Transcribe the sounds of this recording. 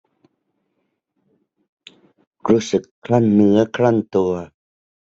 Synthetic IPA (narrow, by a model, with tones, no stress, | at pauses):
ɾuː˦˥sɯ˨˩kʰːla˥˩nːɯ˨˦ɐkʰɾa˥˩nt̪u˧ɐ